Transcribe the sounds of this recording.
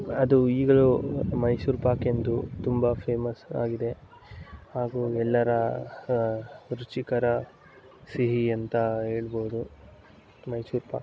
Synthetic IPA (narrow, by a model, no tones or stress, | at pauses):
ɐd̪uiːɡɐɭumɐjsuːɾpaːkend̪ut̪umbɐpʰe̞ːmɐsa̰ːɡid̪e̞ | haːɡuːɛlːɐɾɐ | ɾut͡ʃikɐɾɐ | siɦiɐnt̪ɐɦe̞ːɭboːud̪u | mɐjsuːɾpa̰